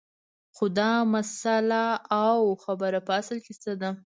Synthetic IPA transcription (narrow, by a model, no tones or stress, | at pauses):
xʊd̪ɑmasalaːwxabəɾapəasəlkest̪ad̪a